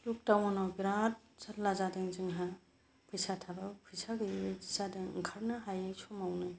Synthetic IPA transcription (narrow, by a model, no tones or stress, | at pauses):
luk̚tawɔnɔbiɾat̚zallazadeŋzɯŋɦa | pʰɯjsatʰabapʰɯjsaɡɯizadeŋkʰaɾnaɦajɯjsɔmawnɯ